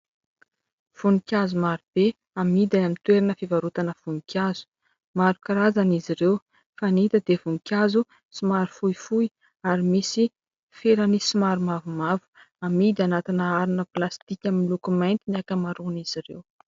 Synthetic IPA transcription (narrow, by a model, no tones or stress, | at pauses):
v̥unikʲazumaɾib̥e | amid̪aamint̪weɾinəfivaɾut̪anəv̥unikʲazu̥ | maɾukaɾazaniziɾew | fanit̪əd̪evuŋikʲazu | simaɾufujfui | aɾimisi | feɾənisimaɾumavumavu̥ | amid̪ianat̪inəaɾunəplast̪ikʲamilukumajnt̪iniakəmaɾuniz̥iɾḛw